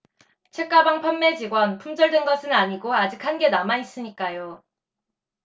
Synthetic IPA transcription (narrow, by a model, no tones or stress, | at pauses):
t͡ɕʰe̞k͈abaŋpʰamːe̞d͡ʑiɡwʌnpʰumd͡ʑʌɭdwenɡʌsʰɯnaɲiɡoad͡ʑik̚hanɡe̞namais͈ɯɲik͈ajo